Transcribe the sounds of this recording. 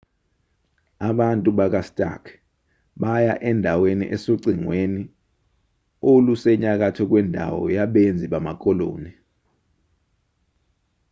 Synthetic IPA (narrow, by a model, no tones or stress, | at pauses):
aɓantʼuɓak̬astʼa̰kʰ | ɓajaʔɛndʱawenḭʔɛsoǀiŋweni | olusɛɲak̬atʰɔk̬wɛndʱa̰wɔ̰jaɓend͡zʱiɓamak̬ʼɔlo̰ːni